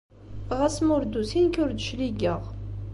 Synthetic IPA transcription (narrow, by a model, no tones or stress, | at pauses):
ʁæsmʊɾd̪usinkʊɾd̪ʃliɡəʁ